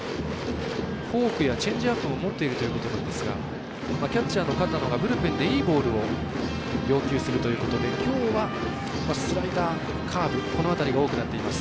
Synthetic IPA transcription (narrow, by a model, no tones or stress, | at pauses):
ɸo̞ːkɯ̟jat͡ɕẽ̞ɲ̟d͡ʑiapːɯ̟mo̞mo̞t̪ːe̞iɾɯ̟t̪o̞jiɯ̟ko̞t̪o̞nãnd̪e̞sɨɡa̰ | makʲat͡ɕaːnːo̞kat̪ːano̞ɡabɯ̟ɾɯ̟pẽ̞nd̪e̞iːbo̞ːɾɯ̟o̞ | jo̞ːkʲɨːsɨɾɯ̟t̪o̞jɯ̟ːko̞t̪o̞d̪e̞kʲo̞ːβa | massiɾabet̪a | kʰaːbɯ̟ko̞no̞at̪aɾʲiɡao̞ːkɯ̟nat̪ːe̞imasɨ̥